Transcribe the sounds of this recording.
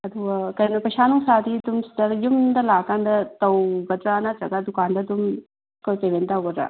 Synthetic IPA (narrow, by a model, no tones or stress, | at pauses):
ɐd̪uɐkɐnɐpɐʃaːnuŋsaːt̪it̪umsd̪ɐɾjumd̪ɐlaːkand̪ɐt̪ɐwɡɐd̪ɾaːnat͡ʃɐɡad̪ukaːnd̪ɐt̪um | kɐwpeʋent̪aɡɐd̪ɾa̰ː